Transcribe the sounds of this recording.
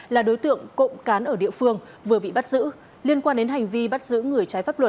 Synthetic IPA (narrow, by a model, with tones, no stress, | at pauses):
laː˨˩ɗo˨˦jt̪ɨ̰˧˨əŋko̰˧˨ŋ͡mkaː˨˦nʔəː˧˩ɗḭ˧˨əfɨ˧əŋ | vɨ˨˩əɓḭ˧˨ɓa˦˥t̚zɨ̰˧˥ | li˧ənkwaː˧nɗe˨˦nɦa˨˩jŋ̟vi˧ɓa˦˥t̚zɨ̰˧˥ŋɨ˨˩əjt͡ɕaː˨˦jfaː˦˥p̚lwə˨˩t̚